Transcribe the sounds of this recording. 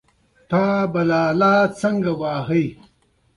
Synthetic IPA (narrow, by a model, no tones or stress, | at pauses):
t̪aːbɐlaːlaːt͡sɐŋɡɐwaːɦɐj